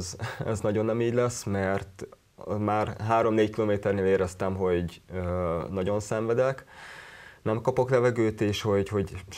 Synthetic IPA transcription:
zɛ̰znɒɟo̞nːɛmiːɟlɛsmɛrt̪ | maːrɦaːɾo̞mneːckiloːmeːt̪ɛrneːleːɾɛst̪ɛmɦo̞ɟønɒɟo̞nsɛɱvɛd̪ɛk | nɛmkɒpo̞klɛvɛɡøːt̪eːʃho̞ɟho̞ɟ

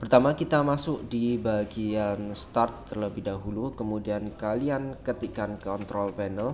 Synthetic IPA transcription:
pərt̪amakit̪amasʊk̚dibaɡianst̪art̪ːərləbɪhdaɦulukəmudiankaliankət̪ikankɔnt̪ɾɔlpɛnəl

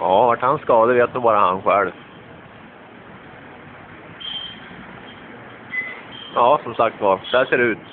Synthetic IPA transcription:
ɑːvaʈhansːkɑːd̪əveːt̪̚nubɑːɾahanɧɛlv | jɑːsɔmsak̚t̪vad̪̥ɛæʂeːɾɛʉːt̪

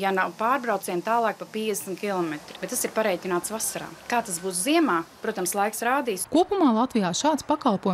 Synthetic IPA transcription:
janawpaːɾbɾawt̪siɛmt̪aːlˠɑːk̚papiɛd̪ʲsmʲt̪kʲilˠɔmet̪ɾi̥bet̪t̪ːasiɾpaɾɛjt̪ʲinaːt̪svasaɾa̰ːkaːt̪asbuːsziɛmaːpɾuɔt̪amslˠajksɾaːd̪iːskuɔpumaːlˠat̪vijaːʃaːt̪spakalˠppuɔj

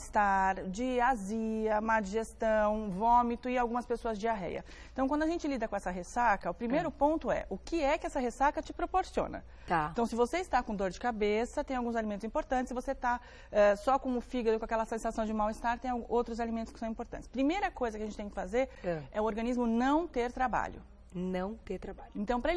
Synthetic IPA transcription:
st̪aɾd͡ʒɪaziɐmad͡ʒiʒest̪ɐ̃w̃võmit̪ʊɪawɡũmɐspesoɐzd͡ʒɪaɦɛ̰jɐ̰ | ẽt̪ɐ̃wkɐ̃nd̪ʊaʒẽnt͡ʃɪlid̪ɐkõɛsɐɦesakɐʊpɾimejɾʊpõnt̪ʊɛ̰ʔʊkɪɛkɪɛsɐɦesakɐt͡ʃɪpɾopoɾsiõ̰nɐ̰ | t̪at̪ɐ̃w̃sɪvoseist̪akõd̪oɾd͡ʒɪkabesɐt̪ẽj̃awɡũzalimẽnt̪ʊzĩpoɾt̪ɐ̃ntt͡ʃɪsɪvoset̪a | ɛsɔkõʊfiɡɐd̪ʊkõakɛlɐsẽsasɐ̃w̃d͡ʒɪmawɪst̪aɾt̪ẽj̃awɡʔowt̪ɾʊzalimẽnt̪ʊskɪ̥sɐ̃w̃ĩmpoɾt̪ɐ̃nt͡ʃɪ̥spɾimejɾɐkojzɐkɪɐʒẽt͡ʃɪt̪ẽj̃kɪ̥fazeɾɛʊoɾɡɐ̃nizmʊnɐ̃w̃t̪eɾt̪ɾaba̰ʎʊ̰ | nɐ̃w̃t̪eɾt̪ɾabaʎẽnt̪ɐ̃w̃pɾɐe

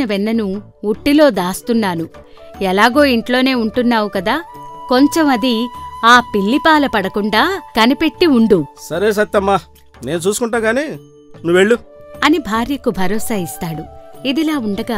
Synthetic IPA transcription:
ɐʋɛnːɐnu | uʈːilo̞ːd̪aːst̪unːaːnu | ɛlaːɡo̞ːiɳʈlo̞ːne̞ːuɳʈunːaːwukɐd̪aːko̞ɲt͡ʃemɐd̪iaːpiɭːipaːlɐpɐɽɐkuɳɖaːkɐnipe̞ʈːiuɳɖusɐɾeːs̬ɐt̪ːɐmːaː | ne̞ːnut͡ʃuːsukuɳʈaːɡaːneː | nuʋeɭːuɐnibʱaːɾjɐkubʱɐɾɔːsaːist̪aːɽuid̪ilaːuɳɖɐɡaː

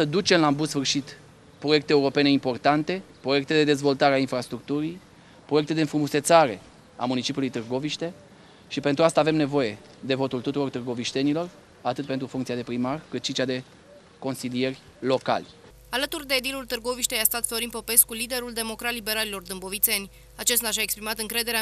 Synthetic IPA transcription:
səd̪ut͡ʃe̞mlambut̪sfɨrʃit̪ | pɾo̞je̞k̚t̪eːuɾo̞pe̞ne̞impo̞rt̪ant̪e̞pɾoje̞k̚t̪e̞d̪e̞d̪e̞zvo̞lt̪aɾeainfɾast̪ɾuk̚t̪uɾij | pɾojek̚t̪eenfɾumuse̞t̪saɾe̞ | a̰munit͡ʃipʲjulujt̪ɨrɡo̞viʃt̪e̞ | ʃipe̞nt̪ɾuast̪ave̞mne̞vo̞je̞ | d̪e̞vo̞t̪ult̪ut̪uɾo̞rt̪ɨrɡo̞viʃt̪e̞nilo̞r | at̪ɨt̪̚pent̪ɾufuŋkt̪siad̪e̞pɾimarkɨt̪ʃit͡ʃad̪e̞ | ko̞nsilije̞rʲ | lo̞ka̰lʲ | alət̪urd̪e̞ːd̪ilult̪ɨrɡo̞viʃt̪ejast̪at̪flo̞ɾinpo̞pe̞skulid̪e̞ɾuld̪e̞mo̞kɾatlːibe̞ɾalelo̞rd̪ɨmbo̞vit̪se̞nʲ | at͡ʃe̞st̪aʃaekspɾimat̪ɨŋkɾe̞d̪e̞ɾea

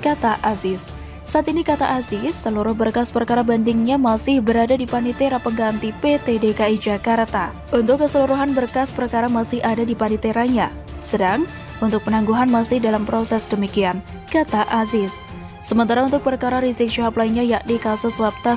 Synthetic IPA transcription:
kat̪aʔazɪsː | aːt̪inikat̪aʔazɪsːəluɾʊhbərkaspərkaɾabandɪŋɲamasɪhbəɾadadipanit̪eɾapəŋɡant̪ipet̪edekaid͡ʒakart̪a | unt̪ʊkːəsəluɾuɦanbərkaspərkaɾamasɪhadadipanit̪eɾaɲa | sədaŋ | unt̪ʊk̚pənaŋɡuɦanmasɪhdalampɾosɛsdəmikian | kat̪aʔazɪsː | əmənt̪aɾaunt̪ʊk̚pərkaɾaɾizɪk̚ʃiɦaplainɲajaʔdikasʊswap̚t̪as

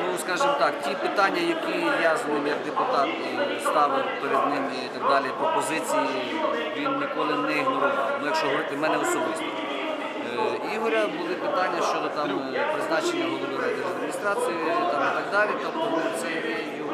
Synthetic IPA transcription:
nuskɑʒɪmɔt̪ɑktʲipɪt̪ɑnʲːɐjɐkʲijɑzɪmjɐk̚d̪epʊt̪ɑt̪ | st̪ɑwpeɾed̪nɪm | it̪ɐɡ̚d̪ɑlʲipɾɔpɔzɪt͡sʲiji | ʋʲinnʲɪkɔlˠɪnɛiɦnɔɾɪwmɪjɐkʃɔɦɔʋɔɾɪt̪ɪmɛnɛɔsɔbɪst̪ɔ | iɦɔɾʲɐbʊlˠɪpɪt̪ɑnʲːɐʃt͡ʃɔd̪ɔt̪ɑmpɾɪznɑt͡ʃenʲːɐɦɔd̪ɔb̪ɐɾɛd̪ɪɦɔd̪ɾeɦʲist̪ɾɑt͡sʲijʊt̪ɑmit̪ɐɡd̪ɑlʲit̪ɔpt̪ɔt̪sɛ | ɛjɔ

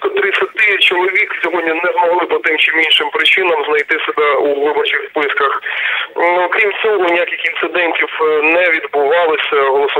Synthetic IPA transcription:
t̪ɔt̪ɾɪsʲɐt̪ɪt͡ʃɔlˠɔʋʲiksʲɔɦɔdʲnʲinɛzmɔɦlˠɪpɔt̪ɪmt͡ʃɪminʲʃɪmpɾɪt͡ʃɪnɐmznɐjt̪ɪsɛbɛuʋɪbɔrt͡ʃɪxspɪskɐx | ɔkɾʲimt͡sʲɔɦɔnʲijakʲɪxint̪sɪd̪ɛnʲtʲiwnɛʋʲid̪bʊʋɑlˠɪsʲɐɦɔlˠɔsʊ

